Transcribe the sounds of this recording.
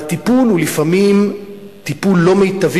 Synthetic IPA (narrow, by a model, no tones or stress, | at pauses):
t̪ipululifamim | t̪ipulːo̞mejt̪av